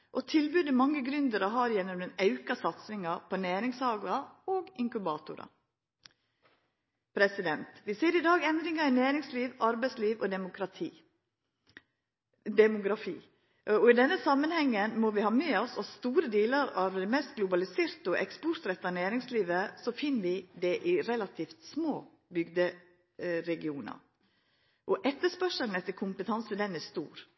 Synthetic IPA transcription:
ʔɔt̪ʰɪlbʉːd̪ɪmɑŋːəɡɾʉnd̪əɾɔɦɑːɾjɛnːɔmd̪ɛnɑʉkɑsɑt̪sɪŋɑɾpʰɔnæːɾɪŋshɑːɡlɑoːɡɪŋkʉbɑːt̪ʊɾɑ̰ | pʰɾɛsɪd̪ɛnt̪ʋɪseːɾɪd̪ɑːɡɛnd̪ɾɪŋɑɪnæːɾɪŋsliːʋɑɾbæɪsliːʋɔd̪ɛmʊkʰɾɑt̪ʰiː | d̪ɛmʊɡɾɑfḭː | ɔɪd̪ɛnːəsɑmːənhɛŋːənmɔʋɪhɑːmyːɑsɔst̪uːɾəd̪iːləɾɑʋd̪ɛmeːst̪̚ɡlʊbɑlɪseːɾt̪ɔʔɛkspɔɾt̪ɾɛt̪ːɑnæːɾɪŋsliːʋəsɔfɪnːəʋɪd̪ɛʔɪɾɛlɑt̪ʰiːft̪smoː | bʏɡd̪ə | ɾɛɡɪuːnɑ̰ɾ | ʔɔʔɛt̪ːəʂpœʂəln̩ɛt̪ːəkʰʊmpət̪ʰɑnsəd̪ɛnːæst̪ṵːɾ

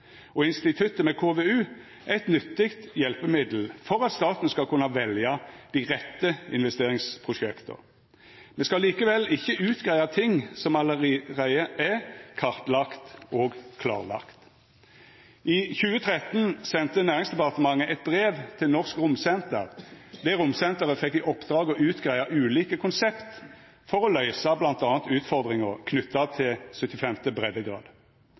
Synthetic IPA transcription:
ɔɪnst̪ɪt̪ʰʉt̪ːəmɛkʰoːʋeːʉː | ʔæt̪nʏt̪ːɪkt̪jɛlpəmɪd̪l̩fɔʁɑt̪st̪ɑːt̪n̩skɑlkʰʉnːɑʋɛljɑd̪̥iːʁɛt̪ːəɪnʋɛst̪eːʁɪŋspʰʁʊʃɛkt̪ʰə̰ʁ | mɛskɑliːkəʋɛlɪçːəʔʉːt̪ɡ̥ʁæɪɑt̪ʰɪŋsɔmɑlːəʁæɪəʔækʰɑʁt̪lɑkt̪oːɡkʰlɑ̰ːʁlɑ̰kt̪ | ʔɪçʉːət̪ʰʁɛt̪nsɛnt̪ənæːʁɪŋsd̪ɛpɑʁt̪əmɑŋːəʔɛt̪̚bʁeːʋt̪ʰɪlnɔʁskʁʊmsɛnt̪əʁd̪ɛɾʊmsɛnt̪əʁəfɛkːɪʔɔpd̪̥ɾɑːɡɔʉːt̪ɡʁæɪɑʔʉːliːkəkʰʊnsɛpt̪ | fɔʁɔlœʏsɑblɑnt̪ɑːnt̪ʉːt̪fɔʁd̪ʁɪŋəʁkʰnʏt̪ːɑt̪ʰɪlsœt̪ːɪfɛmt̪əbʁɛd̪ːəɡʁɑ̰ːd̪

